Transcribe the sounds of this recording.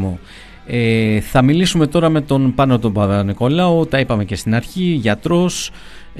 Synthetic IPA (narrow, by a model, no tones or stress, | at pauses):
o | eθɐmilisume̞t̪o̞ɾɐme̞t̪o̞npɐnot̪obɐɐniko̞lɐot̪ɐipɐme̞ce̞st̪inɐɾçiʝɐt̪ɾo̞s